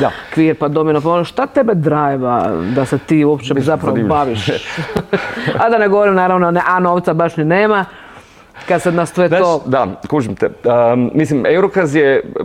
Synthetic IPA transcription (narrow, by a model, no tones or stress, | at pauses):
d̪akʋiːɾpad̪ominopaonoʃt̪at̪ebed̪ɾaːjeʋa̰d̪aset̪iːuopt͡ʃezapɾaʋobaʋiʃ | ad̪aneɡoʋoɾimnaːɾaʋnoneʔanoʋt̪sabaʃnineːma | kad̪sed̪nast̪ʋeaod̪akuːʒimt̪ɛmislimewɾokazje